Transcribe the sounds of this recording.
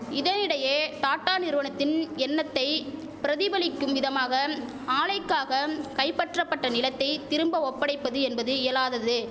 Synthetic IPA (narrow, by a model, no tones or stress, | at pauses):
ɪðɐnɪɽɐjeːt̪aːʈːaːnɪɾɯʋɐnɐt̪ːɪnɛnːɐt̪ːɐɪ | pɪɾɐðɪbɐlɪkːɯmʋɪðɐmaːɣɐ | aːlɐɪkːaːɣɐkɐɪpːɐʈrɐpːɐʈːɐnɪlɐt̪ːɐɪt̪ɪɾɯmbɐɔpːɐɽɐɪpːɐðɯɛnbɐðɯɪjɐlaːðɐðɯ